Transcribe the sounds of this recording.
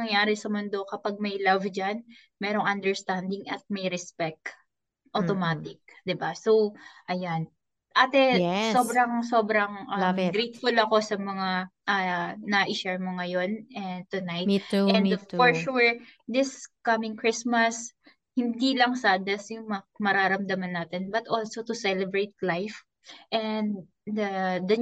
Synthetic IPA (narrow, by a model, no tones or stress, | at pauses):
ɐŋjaːɾɪsɐmɔnd̪o̞kɐpaɡ̚mɐjlɐvd͡ʒan | mɛɾoŋʔɐnd̪ɛɹst̪and̪ɪŋʔɐt̪̚mɐjɾɛspɛk̚t̪ | ʔot̪omaːt̪ɪk̚d̪ɪbaso̞wʔɐjan | ʔaːt̪ɛso̞bɾɐŋso̞bɾɐŋʔɐmɡɾejt̪̚fʊlɐko̞sɐmɐŋaʔɐnɐʔɪʃɛɹmoŋɐjo̞nʔɛnd̪̚t̪ʊnajt̪ɛ̃nfɔɹʃuɹd̪ɪskɐmɪ̃ŋkɹɪsmɐs | hɪnd̪ilɐŋsad̪ɐsjʊŋmmɐɾaːɾɐmd̪ɐmɐnːaːt̪ɛnbɐt̪ʔolsot̪ʊsɛlɛbɹet̪̚lajf | ʔɛnd̪ | ɐd̪ɐ